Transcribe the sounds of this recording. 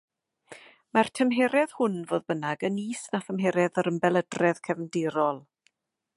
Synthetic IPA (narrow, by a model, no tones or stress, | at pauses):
martʰəmɦɛːɾɛð̥hʊnvoːðbənaɡəniːsnaθəmɦɛːɾɛðəɾəmbɛlˠədrɛðkʰɛvndɪɾɔlˠ